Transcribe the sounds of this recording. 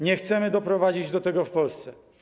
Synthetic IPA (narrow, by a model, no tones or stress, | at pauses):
ɲɛxt̪sɛmɘd̪ɔpɾɔvad͡ʑid͡ʑd̪ɔt̪ɛɡɔfpɔlst̪sɛ